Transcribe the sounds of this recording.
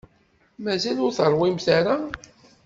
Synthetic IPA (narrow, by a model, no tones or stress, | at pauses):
mæzælʊɾθərˤwimθaɾa